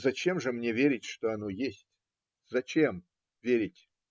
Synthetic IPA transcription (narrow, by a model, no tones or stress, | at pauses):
zɐt͡ɕemʐɨmnʲevʲeɾʲɪtʲʂt̪oɐnojesʲtʲ | zɐt͡ɕem | vʲeɾʲɪtʲ